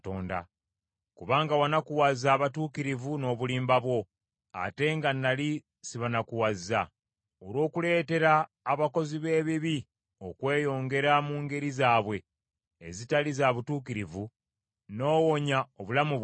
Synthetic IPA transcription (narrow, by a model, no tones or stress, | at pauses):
toːnda̰ | kuβaːŋɡawanakuwazaːβatuːkiɾivuno̞ːβuliːmbaβwo̞ | a̰te̞ŋɡanːali | siβanakuwazːa | oɾo̞ːkule̞ːte̞ɾaː | βako̞ziβe̞ːβiβi | o̞kwe̞ːjo̞ːŋɡe̞ɾamuːŋɡe̞ɾizaːβwe̞ː | zitalizaːβutuːkiɾivu | no̞ːwo̞ɲaoβulamu